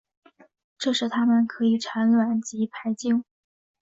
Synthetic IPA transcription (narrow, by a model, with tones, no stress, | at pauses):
ʈ͡ʂɤ˥˧ʂɻ̩˥˩t̪ʰa˥mə˨nkʰɤ˧˥i˨˩ʈ͡ʂʰa˧˥nlwa˨˩nt͡ɕi˧˥pʰa˧˥ɪt͡ɕi˥˩ŋ